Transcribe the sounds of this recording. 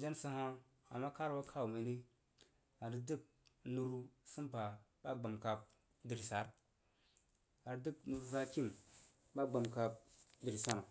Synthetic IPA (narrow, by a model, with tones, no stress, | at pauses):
d͡ʒa˦nsa˦ha˦ | a̰˨mːa˦ka˦ɾwa˦kʰa˦wu˨me˨ni˦ | a˨ɾdi˦k̚nu˨ɾu˦su˦mpa˨ba˦ɡ͡ba˨mka˦p̚ | di˨ɾi˨sa˨˦ɾ | a˨ɾdi˦knu˨ɾu˦sa˦ki˦n | ba˦ɡ͡ba˨mka˦p̚di˨ɾi˨sa˦na˨